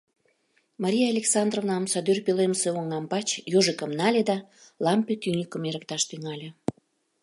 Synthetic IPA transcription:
mɑɾʲijaːlʲeksɑnd̪rovnɑmsɑd̪yrpeleməseoŋɑmpɑt͡ɕjoʒekəmnɑlʲed̪ɑlɑmpet̪ynʲikəmeɾək̚t̪ɑʃt̪yŋɑlʲe

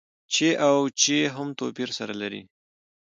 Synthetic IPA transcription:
t͡ʃeʔawt͡ʃeɦamt̪opiɾsaɾalaɾḭ

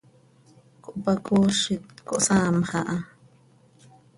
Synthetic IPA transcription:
kuʔpakuʃit̪kuʔsaːmχaʔa

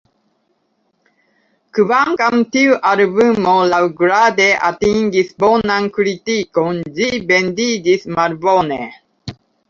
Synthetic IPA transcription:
kɯβaŋɡamt̪iuʔaɾɨbɯmolawɡɾad̪eʔa̰t̪iŋɡisbonaŋkɾit̪ikonzibend̪id̪ismaɾbone

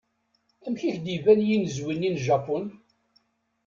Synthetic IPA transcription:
æmçiçd̪ivænjinzwinːinʒɑpːun

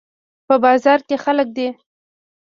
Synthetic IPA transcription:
pəbɑzɑɾkexalək̚d̪e

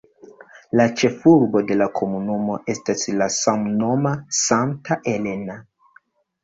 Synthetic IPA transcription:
lat͡ʃe̞fuɾbo̞de̞lakʰo̞munumo̞ʔe̞staslasamno̞masaŋtaʔele̞na

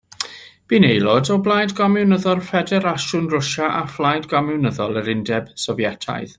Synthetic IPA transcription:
b̥inejlˠɔdɔblˠajdɡamɛwnəðɔrˠfɛdɛɾaʃʊnrʊʃaʔaflˠajdɡamɛwnəðɔlˠəɾɪndɛb̥sɔvjɛtʰa̰jð

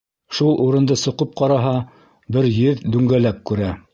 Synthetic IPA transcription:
ʃulˠʔuɾɤ̆nd̪ɤsŏqɤp̚qɑɾɑɦɑ | bɘɾjɘðd̪ʉŋɡælæp̚kʉɾæ

